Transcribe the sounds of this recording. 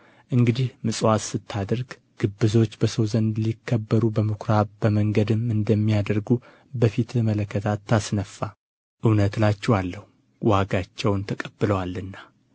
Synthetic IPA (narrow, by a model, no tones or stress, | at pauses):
ʔɨŋɡɨd̪ihmɨsʼwat̪sɨt̪ʰːad̪əɾɡ | ɡ̥ɨbːɨzo̞t͡ʃːbəsəwzənd̪likʰːəbːəɾubəmɨkʰɾabəməŋɡəd̪ɨmɨnd̪əmːijad̪əɾɡu | bəfit̪mələkːət̪ʰat̪ʰːasnəfːa | ʔɨwnət̪lat͡ʃːɛwalːəhu | waɡat͡ʃːɛwnt̪ʰəkʼəb̥ːɨləwalːɨnːa